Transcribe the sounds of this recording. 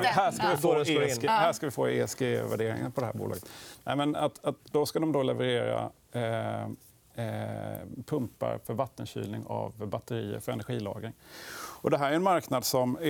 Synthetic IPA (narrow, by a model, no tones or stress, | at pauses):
ɦæʂkavɪfoːhæːʂkavɪfoːḛːɛsɡevæɖeːɾɪ̰ŋənpʰɔd̪ɛɦæːɾbṵlʔɑːɡə̥t̪nɛ̰ɪmɛnat̪at̪̚d̪ɔskad̪ɔmd̪olɛvəɾeːɾa̰ | pʰɵmpːa̰ɾfœɾvat̪ːənɕy̰ːlnɪŋa̰vbat̪ːəɾiːə̰ɾfœɾɛnæɾɧiːlɑːɡɾɪŋɔd̪ɛɦæːɾæɾɛnmaɾknad̪sɔm